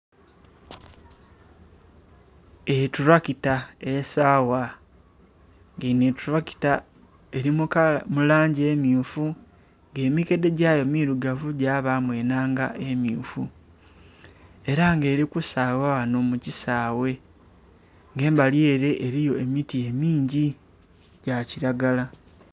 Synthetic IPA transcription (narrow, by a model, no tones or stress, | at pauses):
etuɾwakitaesaːwa | ŋɡenetuɾaki̥ta | e̞ɾimukmulaːɲɟie̞ːmjuːfu | ŋɡe̞ːmike̞de̞ɟajo̞miːɾuɡavuɟaːβamwe̞ːnaːŋɡaʔemjuːfu | e̞ɾaŋɡe̞ːɾikusaːwawano̞mucisaːwe̞ | ŋɡe̞ːmbaljeːɾe̞ʔːɾijo̞emitie̞miːɲɟi | ɟ̥aciɾaɡala